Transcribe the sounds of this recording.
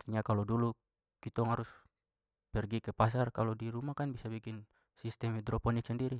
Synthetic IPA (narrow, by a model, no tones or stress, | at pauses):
t̪iɲakalɔdulu | kit̪ɔŋaɾus | pɛrɡikɛpas̬arkalɔdiɾumakanbisabikin | sist̪ɛmhid̪ɾɔpɔnik̚sandiɾi